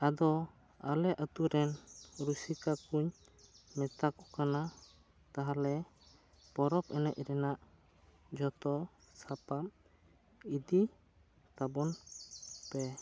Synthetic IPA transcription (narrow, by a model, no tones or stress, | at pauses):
ad̪ɔ | a̰lɛʔət̪uɾɛnɾusikakuɲ | mɛt̪akɔ̥kana | t̪aɦalɛ | pɔɾɔpɛnɛc̚ɾɛnaʔ | d͡ʒɔt̪ɔ | sapam | id̪i | t̪abɔn | pɛ